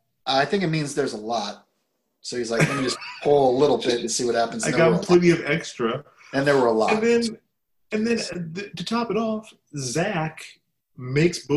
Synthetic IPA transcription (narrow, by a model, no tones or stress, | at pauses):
ʔʌaɪθɪ̃ŋkɨt̚mĩnzðə˞zəlɔt̚ | soʊhizlaɪkkɨ̃nd͡ʒʌspʰʊlˠəlɪɾl̩ˠbɪtɨsiwʌt̚hæpn̩za̰ɪɡɑɾm̩pʰl̥ɪɾiʌvɛkstɹ̥ɨ | ɨ̃nðə˞wə˞əlɔ̰ɨ̃nðɨ̃n | ɨ̃nðɨ̃nðɨtʰɨtʰɑpɨɾɔf | zæk | meɪksb̥ʊ